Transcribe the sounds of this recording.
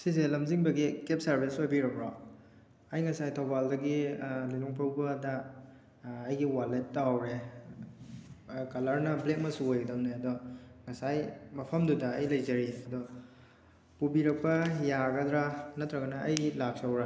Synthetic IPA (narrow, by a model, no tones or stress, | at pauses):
sizelɐmziŋbɐɡikep̚sɐɾbispobiɾɐpɾɔ | ɐjŋɐsajtʰɐwbaldɐɡililoŋpʰawbɐdɐː | jɡiwalet̚ːawɾe | kɐlɐɾnɐblek̚mɐsuojɡɐdɐwneɐdɔŋɐsajmɐpʰɐmdudɐːjlɐjzɐɾiɐdɔ | pubiɾɐk̚pɐjaɡɐd̪ɾanɐt̪ːɾɐɡɐnɐʔːjilak̚sawɾa